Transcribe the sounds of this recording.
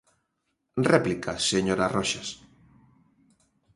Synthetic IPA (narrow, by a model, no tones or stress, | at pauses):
replikaseɲoɾarɔʃas